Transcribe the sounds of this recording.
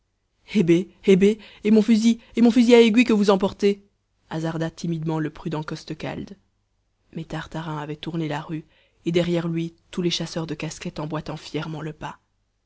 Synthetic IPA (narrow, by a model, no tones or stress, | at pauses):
ebeebeː | mɔ̃fyziemɔ̃fyziaeɡɥikəvuzɑ̃p̬ɔʁt̪e | azaʁd̪at̪imid̪mɑ̃ləpχyd̪ɑ̃kɔst̪əka̰ld̪ | mɛt̪aʁt̪aʁɛ̃avɛt̪uʁnelaʁy | ed̪ɛʁjɛʁlɥit̪uleʃasœʁd̪əkaskɛt̪ɑ̃bwat̪ɑ̃fjɛʁmɑ̃ləpa